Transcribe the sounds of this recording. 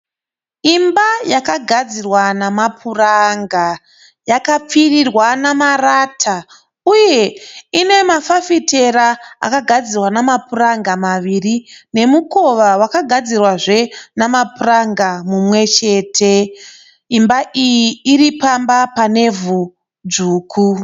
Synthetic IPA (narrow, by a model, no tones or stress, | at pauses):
imbajakaɡʱad͡zirwanamapʰuraŋɡa | jakap͡firirwanamaratʰa | uje̞ine̞mafafite̞ɾaa̰kaɡʱad͡zirwanamapuraŋɡamaʋirine̞muko̞ʋawakaɡʱad͡zirwaʐe̞namapuraŋɡamumwe̞t͡ʃe̞ːtʰe̞ | imbaʔijiːɾipambapane̞vu | d͡zuːkʰu